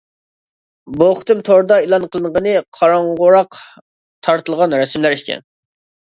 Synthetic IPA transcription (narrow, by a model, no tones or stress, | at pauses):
boχt̪ɨmt̪ʰoɾd̪ɑilˠɑnqʰəlˠɨnʁənɨqʰɑɾɑɴʁʊɾɑq | t̪ʰɑɾt̪ʰɨlˠʁɑnɾɛsmlæɾikʲʰɛ̰n